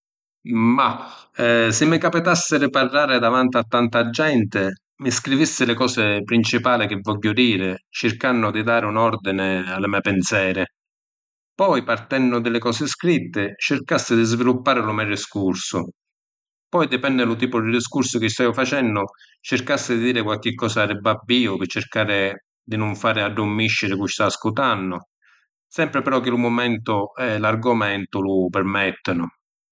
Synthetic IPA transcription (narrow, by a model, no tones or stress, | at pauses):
ma | sɪmːɪkapit̪asːɪɾɪparːaːɾɪd̪avant̪ɪat̪ːant̪ad͡ʒːɛnt̪ɪ | mɪskɾivisːɪlɪkɔːsɪpɾint͡ʃipaːlɪk̟ɪvːɔʎːʊd̪iːɾɪt͡ʃɪrkanːʊd̪id̪aːɾɪunɔrd̪inɪalːɪmɛpɪnsjɛːɾɪ | pɔjpart̪ɛnːʊd̪ɪlɪkɔːsɪskɾit̪ːɪt͡ʃɪrkasːɪd̪izvilupːaːɾɪlʊmarɪskursʊ | pɔjd̪ɪpɛnːɪlʊt̪iːpʊd̪id̪iskuɾsʊk̟ɪst̪aːvʊfat͡ʃɛnːʊ | t͡ʃɪrkasːɪd̪ɪd̪iːɾɪkwalk̟ɪkːɔːsarɪbabːiːʊpɪt͡ʃːɪɾkaːɾɪ | d̪ɪnʊɱfaːɾɪaɖːʊmːiʃːɪɾɪkuʃt̪askut̪anːʊ | sɛmpɾɪpɛɾɔk̟ːɪlʊmʊmɛnt̪ʊɛlarɡʊmɛnt̪ʊlʊpɪrmɛt̪ːɪnʊ